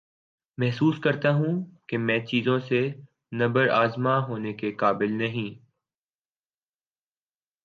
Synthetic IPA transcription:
mɛɦsuːskɐɾt̪aɦũkemɛ̃ːt͡ʃiːzõse | nɐbəɾaːzmaɦoːnekekaːbɪlnɐɦĩː

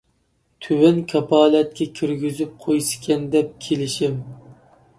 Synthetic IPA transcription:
t̪ʰywɛnkʲʰɑpʰɑːlɛt̪̚kʲʰɛkʲʰyɾɡʲyzyp̚qʰojsɪ̥kʲɛnd̪ɛp̚kʲʰelɪʃim

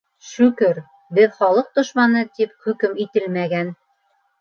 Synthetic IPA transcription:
ʃʉkɘɾ | bɘðχɑlˠɤq̚d̪ŏʃmɑnɤt̪ip̚χɵ̆kɘmit̪ɘlmæɡæn

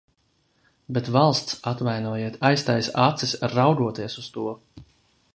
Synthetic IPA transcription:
bɛt̪valˠst̪sat̪vajnuɔjeɛt̪ajst̪ajsat̪sisʲɾawɡuɔt̪iɛsust̪uɔ

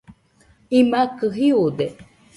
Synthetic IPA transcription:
imakɨɦiud̪e

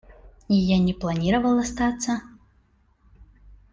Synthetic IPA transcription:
ijanʲɛplˠanʲiɾɐvɐlˠɐst̪at̪sːɐ

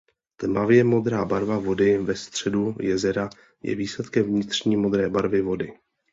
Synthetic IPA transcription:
t̪mavjɛmo̞d̪ɾaːbaɾvavo̞dɪvɛst̪r̝̥ɛdujɛzɛɾa | jɛ̰viːslɛt̪kɛmvɲɪt̪r̝̥ɲiːmo̞d̪ɾɛːbaɾvɪvo̞dɪ

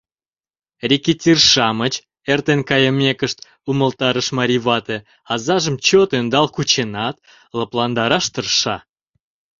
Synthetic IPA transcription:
rʲikit̪ʲirʃɑmət͡ɕ | ert̪enkɑjəmʲekəʃt̪ | uməlt̪ɑɾəʃmɑɾʲiβɑt̪e | ɑzɑʒəmt͡ɕot̪ønd̪ɑlkut͡ɕenɑt̪ | ləplɑnd̪ɑɾɑʃt̪ərʃɑ

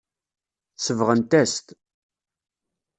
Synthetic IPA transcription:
səvʁənt̪æst̪

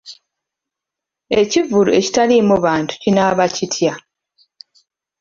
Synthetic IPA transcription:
e̞civulṵe̞ci̥talimuβaːntu̥cinaβacitʰja

